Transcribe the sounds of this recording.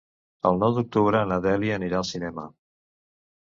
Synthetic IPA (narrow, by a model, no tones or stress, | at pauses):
əlˠnɔwðuk̚t̪uβɾəːnəðɛliəniɾaəlˠsinɛmə